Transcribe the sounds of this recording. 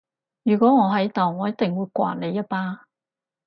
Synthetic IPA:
jyː˨˩kʷɔː˨˥ŋɔː˨˧ɦɐ˨˥jt̪ɔ˨˩wŋɔː˨˧jɐ˥t̚t̪ɪ˨ŋwuː˨˧jkʷa̰ː˨˩n̚nle˨˧jːɐ˥t̚paː˥

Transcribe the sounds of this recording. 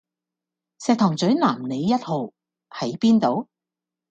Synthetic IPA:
sɛː˨˧k̚t̪ʰɔː˨˩ŋt͡sɵ˨˥ɥnaː˨˩mne˨˧jːɐ˥t̚ho˨˧w | hɐ˨˥jpiː˥nt̪o˨˧w

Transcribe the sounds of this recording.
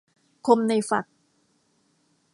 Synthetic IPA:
kʰo˧mna˧jfa˨˩k̚

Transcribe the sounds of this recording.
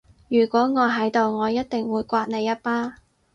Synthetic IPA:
jyː˨˩kʷɔː˨˥ŋɔː˨˧ɦɐ˨˥jt̪o˨wŋɔː˨˧jɐ˥t̚t̪ɪ˨ŋwuː˨˧jkʷaː˧t̚ne˨˧jːɐ˥t̚paː˥

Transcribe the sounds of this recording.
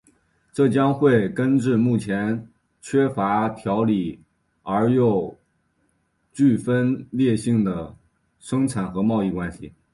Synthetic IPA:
ʈ͡ʂɤ˥˩t͡ɕjɑ˥ŋxwe˥˩ɪkə˥nʈ͡ʂɻ̩˥˧mu˥˩t͡ɕʰjɛ˧˥n | t͡ɕʰɥɛ˥fa˧˥t̪ʰjɑ˧˥ʊli˨˩ | ə˞˧˥jo˥˧ʊ | t͡ɕy˥˩fə˥nljɛ˥˧ɕi˥˩ŋd̪ə˩ | ʂɤ˥ŋʈ͡ʂʰa˨˩nxɤ˧˥mɑ˥˧ʊi˥˩kwa˥nɕḭ˨˩

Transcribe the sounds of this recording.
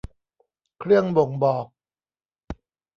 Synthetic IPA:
kʰɾɯ˥˩əŋbo˨˩ŋbɔː˨˩k̚

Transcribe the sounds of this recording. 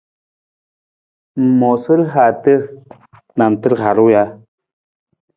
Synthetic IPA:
m̩˨mɔ˨sə˦ɾɦa˨tə˦ɾ | na˨n˨tə˦ɾha˨ɾu˦ja˦

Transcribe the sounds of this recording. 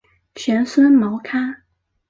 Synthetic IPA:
ɕɥɛ˧˥nswə˥nmɑ˧˥ʊkʰa˥

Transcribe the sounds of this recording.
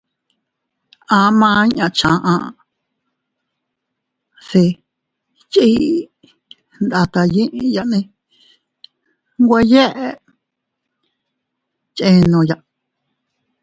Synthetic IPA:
ã˧mãː˦˧˦ɲã˧t͡ʃã˧ʔã̰˧ | si˧ | t͡ʃi˦ | nd̪a˧t̪a˧jĩ˦ʔĩ˧ja˧ʔnĩ˧ | ŋɡʷe˧je˦ʔe˧ | t͡ʃẽ˦˧nõ˧ja˨ʔ

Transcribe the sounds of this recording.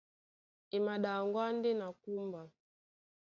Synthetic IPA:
i˨ma˨ɗa˨ŋɡwa˦ndɛ˦na˨ku˦mba˨

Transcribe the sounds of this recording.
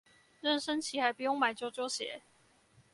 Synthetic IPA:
lə˥˨nʂə˥˦nt͡ɕʰi˨˦xa˨˥ɪpu˧˩jʊ˥˩ŋma˨˩ɪt͡ɕjo˥˧ʊt͡ɕjo˥˧ʊɕjɛ̰˨˩˦

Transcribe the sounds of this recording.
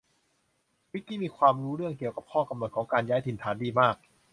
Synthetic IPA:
wi˦˥t̪̚ːiː˥˩miː˧kʰwaː˧mɾuː˦˥ɾɯ˥˩əŋki˨˩əwka˨˩p̚kʰɔː˥˩ŋka˧mno˨˩t̪̚kʰːŋkaː˧njaː˦˥jt̪ʰi˧nt̪ʰaː˩˦ndiː˧maː˥˩k̚

